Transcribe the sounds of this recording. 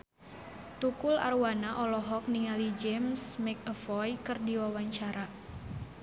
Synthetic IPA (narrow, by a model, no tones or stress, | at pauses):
t̪ukula̰rwanaʔɔlɔɦɔk̚niŋalid͡ʒɛmsmɛk̚əfɔjkɨrdiwawaɲt͡ʃaɾa